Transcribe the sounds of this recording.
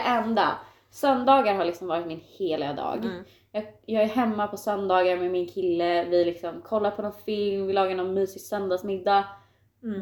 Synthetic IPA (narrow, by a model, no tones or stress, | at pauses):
ɛnd̪a̰ | sœnd̪ɑːɡaɾɦaɭɪksɔmvɑːɾɪt̪mɪnheːlɪɡad̪ɑ̰ːɡ | jɑːɡjɑːɡæɾɦɛmːapʰɔsœnd̪ɑːɡaɾmɛmɪnkʰɪlːəvɪlɪksɔmkʰɔlːaɾpʰɔnɔnfɪlmvɪlɑːɡanɔnmyːsɪsœnd̪asmɪd̪ːa